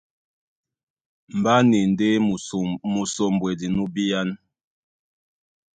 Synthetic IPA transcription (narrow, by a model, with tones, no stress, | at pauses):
m̩˨ba˦ni˨n˨de˦˨mu˨so˨m˨bwe˨di˨nu˦bi˦ja˦n